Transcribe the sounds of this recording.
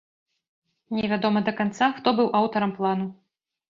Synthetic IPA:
nʲɛvʲad̪ɔmɐd̪ɐkant̪saxt̪ɔbɨwʔawt̪ɐɾɐmplˠanu

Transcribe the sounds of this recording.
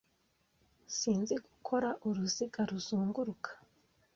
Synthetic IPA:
siːnziɡukʰo̞ɾaʔuɾuziɡaɾuzuːŋɡuɾukʰḁ

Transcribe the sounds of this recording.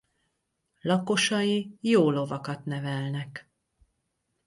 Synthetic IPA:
lɒko̞ʃɒjijoːlo̞vɒkɒt̪nɛvɛlnɛk

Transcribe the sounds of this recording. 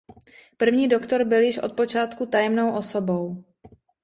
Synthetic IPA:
pr̩vɲiːdo̞kt̪o̞ɾbɪljɪʃʔot̪̚po̞t͡ʃaːt̪kut̪ajɛmno̞wʔoso̞bo̞w

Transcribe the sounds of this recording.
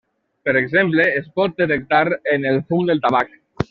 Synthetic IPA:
pəɾeɡzempleːspɔt̪̚d̪et̪ek̚t̪aɾenelˠfumd̪elˠt̪aβ̞ak

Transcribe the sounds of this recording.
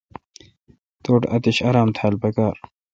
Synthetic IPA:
t̪oːʈɐ̰t̪iɕɐɾaːmt̪ʰaːlpɐkaːɾ

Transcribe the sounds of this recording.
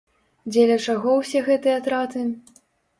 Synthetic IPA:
d͡zʲɛlʲɐt͡ʂaɣɔwsʲɛɣɛt̪ɨjɐat̪ɾat̪ɨ

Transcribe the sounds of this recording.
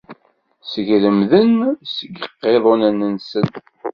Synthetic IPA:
səʝləmðənsəɡəqːeðˤonænənsən

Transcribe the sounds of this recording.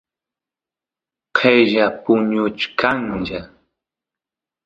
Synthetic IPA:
qʰejʒapʊɲʊt͡ʃkʰaŋʒa

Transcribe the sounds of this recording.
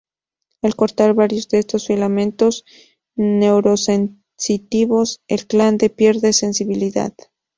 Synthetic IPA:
alko̞ɾt̪aɾβaɾjo̞zðeest̪o̞sfilamẽ̞nt̪o̞s | ne̞wɾo̞sen | sit̪iβo̞selkland̪e̞pje̞ɾðe̞se̞nsiβiliða̰ð

